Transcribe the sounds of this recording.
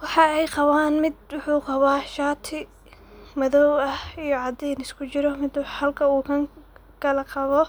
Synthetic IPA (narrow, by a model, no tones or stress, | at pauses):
wɑħɑɛjqɑβaːnmɪd̪wʊħuːqɑβaːʃaːt̪ʰɪ | mɐðɔwɐhijɔʕɑd̪ɛnɪskʰʊt͡ʃɪɾɔmɪd̪whɐlkʰɐuːkʰɐŋ | kʰɐlɐqɑβɔ